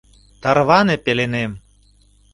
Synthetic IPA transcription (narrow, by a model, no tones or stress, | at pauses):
t̪ɑrβɑnepelenem